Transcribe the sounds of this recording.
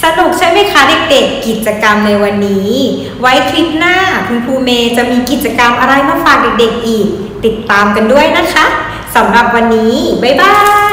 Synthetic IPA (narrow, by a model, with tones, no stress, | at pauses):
sa˧nu˨˩k̚t͡ɕʰa˦˥jma˧˩jkʰaː˦˥de˨˩k̚de˨˩kːi˨˩t̪̚t͡ɕa˧ka˧mna˧jwa˧nːiː˦˥ | wa˦˥jt̪ʰwi˦˥p̪̚naː˥˩kʰu˧npʰuː˧meː˧t͡ɕa˨˩ʔmiː˧ki˨˩t̪̚t͡ɕa˧ka˧mʔa˧ɾa˧jmaː˧˥˩faː˨˩k̚de˨˩k̚de˨˩k̚ʔiː˨˩k̚ | t̪i˨˩t̪ːaː˧mka˧ndu˥˩əjna˦˥kʰa˦˥ | sa˩˦mɾa˨˩p̚wa˧nːiː˦˥ba˨˧˩jbaː˧˥˩